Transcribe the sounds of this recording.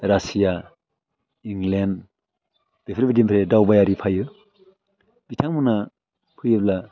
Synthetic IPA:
ɾasija | iŋlen | b̥epʰɾibidimpʰɾedawbajaɾipʰajɯ | b̥itʰaŋmuna | pʰɯjɯbla

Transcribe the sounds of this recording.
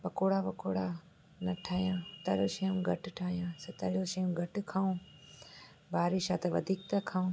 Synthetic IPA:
pɐkoːɽapɐkoːɽa | nɐʈʰaːijãːt̪ɐɾoʃɐũmɡʱɐʈʈʰaːjãːsɐt̪ɐljoːʃɐjũmɡʱɐʈkʰaːũ | baːɾiʃaːt̪ɐʋɐd̪ʱiːk̚t̪ɐkʰaːũː

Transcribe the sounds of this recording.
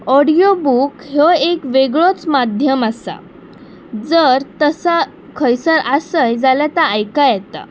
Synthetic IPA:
ɔɽijobukɦoekʋeɡɭot͡smad̪ʱjəməsa̰ | d͡zəɾt̪əsa | kʰəjsəɾasəjd͡zaljat̪aːjkajɛt̪a̰

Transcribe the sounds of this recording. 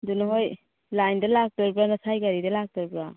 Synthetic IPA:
dunɦoj | lajndalak̚tɔɾbɾanasʰajɡaɾidalak̚tɔɾbɾa

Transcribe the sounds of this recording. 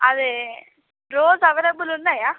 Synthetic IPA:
ɐðɯ | ɾoːzɐʋɪɾɐbɯlʊnːajaː

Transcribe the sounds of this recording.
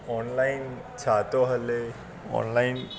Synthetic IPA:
ɔːnlain | t͡ʃʰaːt̪oɦəle | ɔ̰ːnlaɪn

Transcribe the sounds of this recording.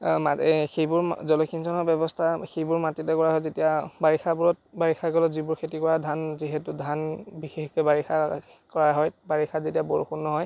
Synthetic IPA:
maxejbʊɹzɔlɔkʰinsɔnɔbɛbɔstʰaxejbʊɹmatitɛkɔɹaɦɔjzetijabaɹixʰabuɹɔt̚baɹixʰakɔlɔzibʊɹkʰetikɔɹadʱanziɦɛtʊdʱanbixexkɔjbaɹixʰa | kɔɹaɦɔjbaɹixʰazetijabɔɹxunːɔɦɔj

